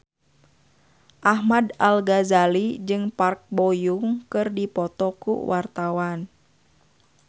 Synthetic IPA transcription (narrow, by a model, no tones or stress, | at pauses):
ʔahmadalɡazalid͡ʒɨŋpark̚bɔjuŋkɨrdipɔt̪ɔkṵwart̪awan